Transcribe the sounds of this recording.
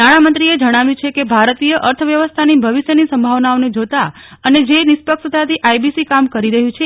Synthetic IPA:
aɽ̃amənt̪ɾied͡ʒəɽ̃aʋjũt͡ʃʰekebʱaɾt̪ijəʔəɾt̪ʰəʋjəʋəst̪ʰanibʱəʋiʃjənisə̃mbʱaʋnaoned͡ʒot̪a | əned͡ʒenispəkʂət̪ʰat̪ʰiʔajbisikamkəɾiɾəɦjũt͡ʃʰe

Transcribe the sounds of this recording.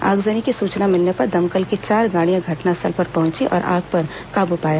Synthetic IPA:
a̰ːɡzənikisuːt͡ʃnamɪlnepɐɾd̪ɐmkəlkit͡ʃaːɾɡaːɽijãɡʱɐʈnasɐlpɐɾpɐɦʊ̃nt͡ʃiʔɔ̰ːɾʔa̰ːɡ̚pɐɾ | kaːbupaːjaː

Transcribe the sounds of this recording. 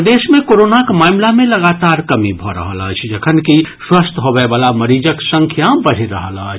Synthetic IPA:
d̪esmekoɾonakmamlameləɡat̪aɾkəmibʱɔɾə̰ɦə̰lə̰t͡ʃʰd͡ʒəkʰənkiswəst̪ɦobɛbalaməɾid͡ʒəksə̃ŋkʰjabəɽ̤eɾə̰ɦələ̰t͡ʃʰ

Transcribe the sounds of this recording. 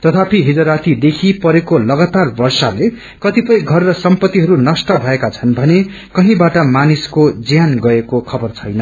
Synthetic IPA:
t̪ʌt̪ʰapʰiɦid͡zʌɾat̪ʰid̪ekʰipʌɾekolʌɡat̪arbʌrsale | kʌt̪ipʌj̃ɡʱʌrːʌsʌmpʌt̪ːiɦʌɾunʌsʈʌbʱʌekat͡sʰʌnbʱʌne | kʌɦĩbaʈʌmaniskod͡zjanɡʌekokʰʌbʌrt͡sʰʌjnʌ

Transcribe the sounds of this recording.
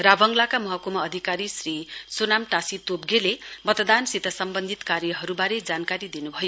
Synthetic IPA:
rabʱʌŋlakamʌɦʌkumaːd̪ʱikaɾisrisonamʈasit̪obɡelemʌt̪d̪ansit̪ʌsʌmbʌnd̪ʱit̪kaɾjʌɦʌɾubaɾed͡zankaɾid̪inubʱʌjo

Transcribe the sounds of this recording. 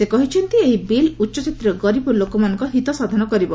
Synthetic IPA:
sekɔɦit͡ʃʰɔnt̪ieɦibilutːʃɔt͡ʃit̪ɾɔɡɔɾibɔlokɔmanɔŋkɔɦit̪ɔsad̪ʱɔnɔkɔɾibɔ

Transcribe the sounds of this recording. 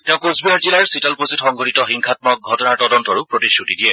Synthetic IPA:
tɛʊ̃kozbiaɹd͡ʒilaɹsitalpositxɔŋɡʱoɾitɔxiŋkʰat̚mɔk̚ɡʱɔtɔnaɹtɔdɔntɔɹupɹotisutidijɛ

